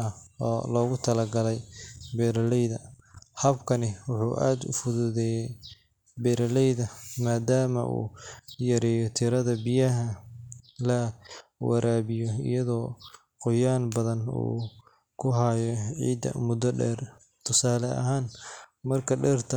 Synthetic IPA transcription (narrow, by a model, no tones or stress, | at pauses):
ɐɔːlɔːɣʊt̪ʰɐlɐɡɐlɛjbɛːɾɐlɛjðɐhɐbkʰɐnɪwʊħṵːʔa̰ːd̪ʊ̰fʊðʊðɛːjɛj | bɛːɾɐlɛjðɐmaːd̪aːmɐ̰ʔṵːjɐɾɛːjɔt̪ʰɪɾɐðɐbɪjɐɦɐ | lɐwɐ̰ɾʔaːβɪjɔɪ̰jɐðɔː | qʊjaːnbɐðɐnṵː | kʰʊɦajɔʕḭːd̪ɐ̰mʊd̪ɐɖɛ̰ːr | t̪ʰʊsaːlɛʔɐ̰ɦaːnmɐrkʰɐɖɛːrt̪ʰɐ